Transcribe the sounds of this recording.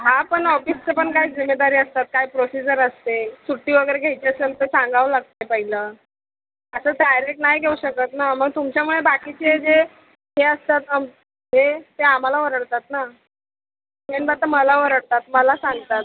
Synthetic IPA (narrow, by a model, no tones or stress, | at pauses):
ɦapəɳɔfist͡sepəɳkaɦid͡zimːed̪aɾiːəst̪at̪̚kajpɾosid͡ʑəɾəst̪esuʈːiːʋəɡəjɾeɡʱejt͡ɕeəselt̪esãŋɡʱaʋəlaɡ̚t̪ajpəɦiləː | əsəːʈajɾekʈnaɦjɡʱeuɕəkət̪naməɡ̚t̪umt͡ɕjamuɭebakit͡ɕeed͡ze | ɦeəst̪at̪əm | ɦet̪eam̤alaʋəɾəɽt̪at̪na | meɳbat̪əməlaʋəɾəɽt̪at̪̚məlasãŋɡt̪at̪̚